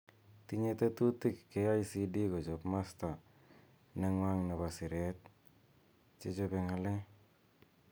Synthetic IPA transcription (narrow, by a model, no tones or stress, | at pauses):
t̪iɲet̪et̪utikːeajsidikot͡ʃɔpmasta | neŋwaŋnaβasiɾet̪̚ | t͡ʃet͡ʃopeŋale